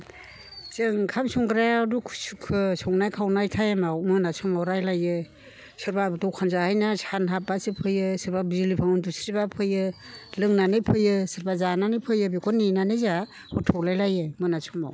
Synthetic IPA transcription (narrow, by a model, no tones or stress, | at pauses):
zɯŋkʰamsɔŋɡɾajadukʰsukʰɯsɔŋnajkʰawnajtʰajemawmɯnasʰɔmawɾajlajɯ | sɯɾbabtɔwkʰanzahajnasanɦap̚basɯpʰɯjɯsɯɾbabizilipʰaŋɯndusɾibapʰɯjɯ | lɯŋnanɯpʰɯjɯsɯɾbazananɯpʰɯjɯbikʰɔnːinanɯza | hɔtʰɔklajlajɯmɯnasʰɔma̰w